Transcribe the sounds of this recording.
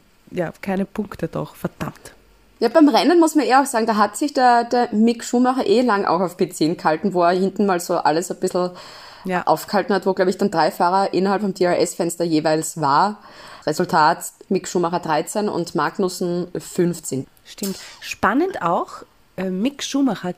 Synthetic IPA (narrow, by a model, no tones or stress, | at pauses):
ja̰ːkʰaɪnəpʰʊŋktəd̥ɔ̰xfɛɐd̥a̰mt | jaːbæɪmʁɛnənmʊsmaneːɐaʊxsaːɡŋ̩d̥aːɦatsɪçd̥eːɐd̥eːɐmɪkʃuːmaχɐʔeːlaŋʔa̰ʊxaʊfpet͡siːnkhaltn̩voːɛɐhɪntn̩maːlzoːʔaləsɐb̥ɪsl̩ | ʔa̰ʊfɡ̥ə̥haltn̩hatvoːɡ̥laʊbɛɪçd̥and̥ʁaɪfaːʁɐʔɪnɐhalpfɔmd̥eːɛʁʔɛsfɛnstɐjeːvaɪlsvaːɐ | ʁezʊltʰaːtmɪkʃuːmaχɐd̥ʁaɪt͡sɛnʊ̰ntmaɐknʊsn̩fʏnft͡sɪn | ʃtɪmtʃpanənta̰ʊx | ɛmɪkʃuːmaxɐ